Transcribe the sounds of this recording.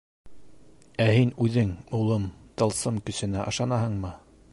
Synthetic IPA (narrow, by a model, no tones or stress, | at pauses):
æhinʉðɘŋulˠɤmt̪ɤ̆lˠsɤmkɵ̆sɘ̆næʔɑ̆ʃɑnɑɦɤɴmɤ